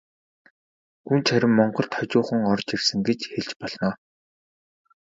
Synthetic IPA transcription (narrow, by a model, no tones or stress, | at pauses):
unt͡ɕʰæɾʲɪ̆mːɔɴɢɞ̆ɬt̪χɔt͡ɕʊːχə̆ŋɔrt͡ɕirsɘ̆ŋɡet͡ɕxeɮt͡ɕpɔɮ̥nɔː